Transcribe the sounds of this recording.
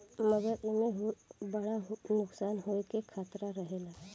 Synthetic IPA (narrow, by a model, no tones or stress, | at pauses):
məɡəɾɪmeɦobəɽaɦnʊksaːnɦoekekʰaːt̪ɾaɾəɦeːlaɦɛ